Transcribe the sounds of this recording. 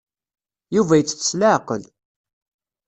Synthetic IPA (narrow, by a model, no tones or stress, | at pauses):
juvæjət͡sːθə̥sləʕqəl